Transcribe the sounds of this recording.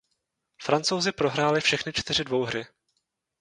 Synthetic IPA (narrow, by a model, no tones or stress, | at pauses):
fɾant͡sowzɪpɾo̞ɦɾaːlɪfʃɛxnɪt͡ʃt̪ɪr̝ɪdvo̞wɦɾɪ